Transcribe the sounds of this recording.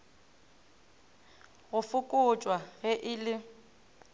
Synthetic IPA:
ɣʊfʊkʼʊt͡ʃʼwaɣɛʔɪlɪ

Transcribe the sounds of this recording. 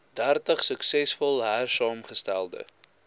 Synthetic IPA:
dærtəχsəksɛsfɔlˠɦærsɑːmχəstælˠdə̰

